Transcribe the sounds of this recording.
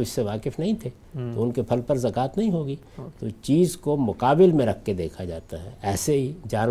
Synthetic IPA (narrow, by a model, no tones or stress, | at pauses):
ɪsːeʋaːkɪfnɐɦĩt̪ʰeː | t̪oʊnkepʰɐlpɐɾzɐkaːt̪nɐɦĩɦoːɡiː | t̪ot͡ʃiːzkomʊqaːbɪlmẽɾɐkʰːed̪eːkʰad͡ʒaːt̪aɦɛ̰ɛːseɦid͡ʒaːn